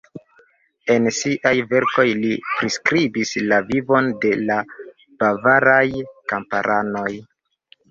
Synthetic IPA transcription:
e̞nsiʔajve̞ɾko̞jlipɾiskɾibislavivo̞nde̞la | b̥avaɾajkampaɾʔano̞j

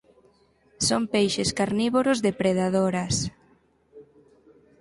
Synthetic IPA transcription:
sompejʃɪskaɾniβoɾʊzðepɾeðaðoɾɐs

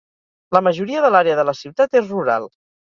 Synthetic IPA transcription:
ləməʒuɾiəðəlaɾeəðələsiwt̪at̪ezruɾa̰lˠ

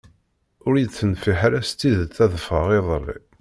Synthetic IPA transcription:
ʊɾjət͡sːənfiħɾæst̪ːiðət͡sːæðəfʁəʁɪðˤlːḭ

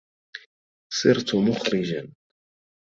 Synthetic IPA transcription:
sˤɨɾt̪ʊmʊxɾɪd͡ʒan

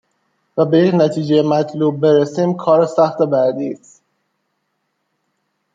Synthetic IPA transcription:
væbe̞jecnæt̪ʰiːd͡ʒejemæt̪ʰluːb̚ːe̞ɾesiːmkʰɒːɾesæxt̪obæɾd̪iːs

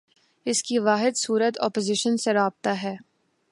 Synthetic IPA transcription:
ɪskiʋaːɦɪd̪suːɾət̪ɔ̰ːpozɪʃənseɾaːb̚t̪aɦɛː

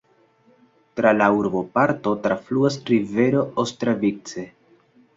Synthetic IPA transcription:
tɾalauɾbo̞paɾto̞tɾafluasɾive̞ɾo̞ostɾavik̚t͡se̞

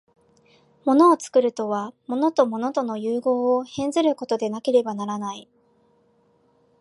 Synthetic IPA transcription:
mo̞no̞ːt͡sɨ̥kɯ̟ɾɯ̟t̪o̞βamo̞not̪o̞mo̞no̞t̪o̞no̞jɯːɡo̞ːohẽ̞nzɨɾɯ̟ko̞t̪o̞d̪e̞nake̞ɾe̞banaɾanai

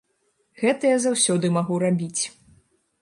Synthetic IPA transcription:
ɣɛt̪ɐjazawsʲɔd̪ɨmaɣuɾabʲit͡sʲ

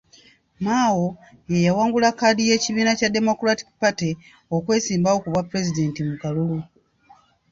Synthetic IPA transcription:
maːwo̞ | jejawaːŋɡulakːaːdije̞ːciβiːnacade̞mo̞kuɾati̥kpate | okwe̞ːsiːmbao̞kuβapːuɾe̞zide̞ːntimukalulu

